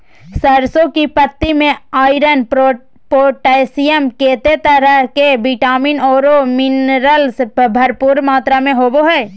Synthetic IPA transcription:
səɾsõkipət̪ːimẽaːɪɾən | poːʈeːsijəmkeːt̪et̪əɾəɦkebiʈaːminɔːɾomɪnɾəlsbʱɐɾpuːɾmaːt̪ɾamẽɦoːboɦɛː

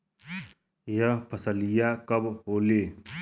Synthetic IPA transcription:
jəpʰəsəlijakəbɦoːleː

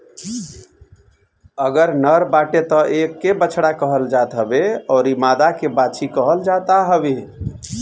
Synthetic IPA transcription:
əɡəɾnəɾbaʈet̪ɔʔekːebət͡ʃʰɽakəɦəld͡ʒat̪ɦəbeɔːɾimad̪akebat͡ʃʰikəɦəld͡ʒat̪aɦəbe

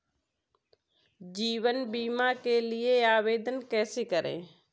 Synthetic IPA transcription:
d͡ʒiːʋənbiːmakelɪeaːʋeːd̪ənkɛːsekəɾʔḛ̃ː

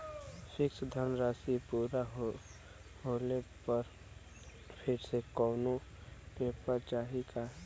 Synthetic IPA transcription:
fʰɪksd̪ʱəɾnɾaːsipuːɾaɦ | hoːlepəɾ | pʰɪɾsekɔːnõpeːpəɾt͡ʃaːɦika

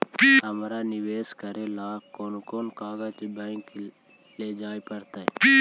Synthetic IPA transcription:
ɦɐmɾanɪweːskəɾelaːkoːnkoːnkaːɡət͡ʃbɛ̃ːk | led͡ʒaːipɐɾt̪aɛ

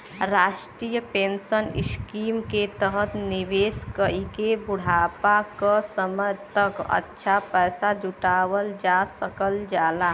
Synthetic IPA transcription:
ɾaːʃʈɾiːjəpẽːnsənɪ̰skiːmket̪əɦət̪nɪʋeːskəikebʊɽ̤aːpakəsəməjt̪əkə̰tːʃʰapɛːsad͡ʒʊʈaːwəld͡ʒaːsəkəld͡ʒaːlaː

